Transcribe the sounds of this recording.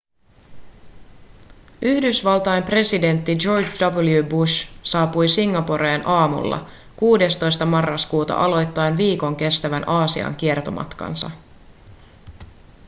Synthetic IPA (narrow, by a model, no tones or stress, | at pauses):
yhdysʋɑlˠt̪ɑempre̞side̞nt̪ːid͡ʒo̞rd͡ʒdɑbljubuʃsɑːpujsiŋːɑpo̞ɾeːnʔɑːmṵlːɑ̰ | kuːde̞st̪o̞jst̪ɑmɑrːɑskuːt̪ɑ̰ʔɑlo̞jt̪ːɑjnʋiːko̞ŋk̟e̞st̪æʋænʔɑːsḭɑ̰ŋk̟ie̞rt̪o̞̰mʔɑ̰t̪kɑ̰nsɑ̰